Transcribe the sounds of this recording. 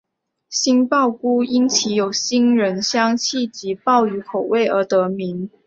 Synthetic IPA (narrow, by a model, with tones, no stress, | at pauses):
ɕi˥npɑ˥˩ʊku˥i˥nt͡ɕʰi˧˥jo˨˩ʊɕi˥nɻə˧˥nɕjɑ˥ŋt͡ɕʰi˥˩t͡ɕi˧˥pɑ˥˩ʊy˧˥kʰo˨˩ʊwe˥˩ɪə˧˥t̪ɤ˧˥mi˧˦˥ŋ